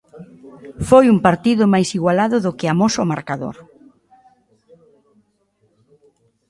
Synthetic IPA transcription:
fojumpaɾt̪iðʊmajsiɣwalaðʊðʊkɪamosʊmaɾkaðo̰ɾ

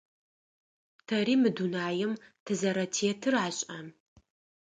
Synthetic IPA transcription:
tʰɐriːmɨdunaːjɪmtʰɨzɐɾɐtʰeːtʰɨraːɕʼam

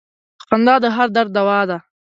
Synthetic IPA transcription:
ə̥qand̪ɑːd̪əɦaɾd̪aɾd̪̚ːawɑd̪a

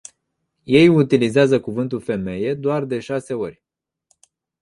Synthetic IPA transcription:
je̞jut̪ilizeazəkuvɨnt̪ulfe̞me̞je̞d̪oard̪e̞ʃase̞o̞rʲ

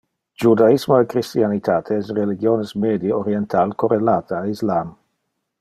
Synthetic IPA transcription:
d͡ʒud̪aismoekɾist̪ianit̪ʰaːt̪ʰeɛsreliɡjoːnesmed̪ioɾient̪ʰalkorelaːt̪ʰaːislam

